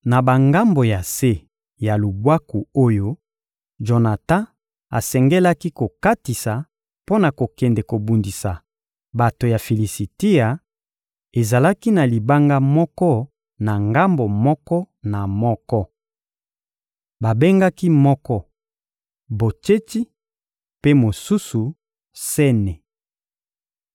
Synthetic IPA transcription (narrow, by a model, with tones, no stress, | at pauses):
na˨ba˨ŋɡa˦mbo˨ja˨se˦ | ja˨lu˨bwa˦ku˨o˦jo˦ | ʒo˨na˨tã˦ | a̰˨sɛ˨ŋɡɛ˦la˦ki˦ko˨ka˦ti˨sa˨ | po˦na˨ko˨kɛ˨ndɛ˨ko˨bu˨ndi˨sa˨ | ba˨to˨ja˨fi˨li˨si˨ti˦a˨ | e˨za˨la˦ki˦na˨li˨ba˦ŋɡa˦mɔ˦kɔ˦ | na˨ŋɡa˦mbo˨mɔ˦kɔ˦ | na˨mɔ˦kɔ˦ | ba˨be˦ŋɡa˦ki˦mɔ˦kɔ˦ | bo˨t͡ʃe˦ti˦ | pe˦mo˨su˦su˨ | sɛ˦nɛ˨